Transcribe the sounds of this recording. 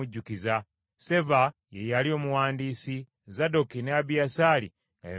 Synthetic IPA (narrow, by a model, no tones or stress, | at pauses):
uɟːukiza | se̞vajejalio̞ːmuwaːndiːsi | zado̞kineabiasalḭ | ŋɡa̰j